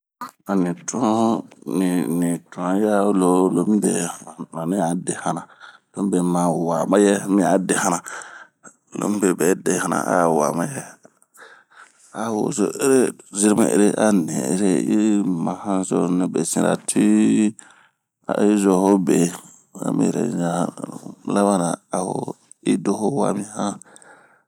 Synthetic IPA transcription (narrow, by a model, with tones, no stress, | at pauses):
a˨nĩ˨tʰɔ̃˦ni˨nĩ˨tɔ̃˨˦ja˦lo˦lo˨mĩ˦be˨mã˨nĩ˦a˨˦de˨hã˨nã˨lo˨˦mĩ˦be˨mã˨wa˨mã˦jɛ˦mĩ˦a˨˦de˨hã˦nã˨ | lo̰˨˦mĩ˦be˨bɛ˨˦de˨˦hã˨nã̰˨ʔa̰˦˨wa̰˨ma˦jɛ˦ | a˦wo˨zo˨e˦ɾe˦zi˦ɾmḛ̃˨ʔḛ˦ɾe˦ʔa˦nẽ˨ḛ˦ɾe˦i˦mã˨hã˦zo˦nĩ˦be˨sĩ˨ɾa̰˨tʰi˦ | a̰˨i˦zo˨˦ho˦be˨˦ | a̰˦mḭ̃˦˨ɾḛ˨zã˦a˨˦la˦βa˦na˨a˨ho̰˦ | i˦do˦ho˦wa̰˨mĩ˦hã˦